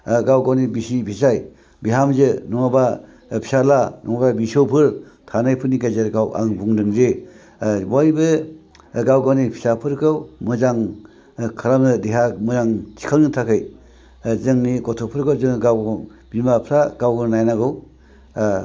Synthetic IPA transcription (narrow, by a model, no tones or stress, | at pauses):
ɡawɡawnibisipʰisaj | biɦamzɯnɔŋaba | pʰi̥salanɔŋababisowpʰɯɾtʰanajpʰɯɾniɡazeɾɡawʔa̰ŋbuŋdɯmze | bajbɯ | ɡawɡawnipʰi̥sapʰɯɾkɯwmɯzaŋ | kʰaɾamnɯdeɦamɯzaŋt͡ʃʰi̥kʰalnɯtʰakʰɯj | zɯŋniɡɔtʰɔpʰɯɾkʰɯwzɯŋɡaw | b̥imapʰɾaɡawɡɯɾnajnaɡɯw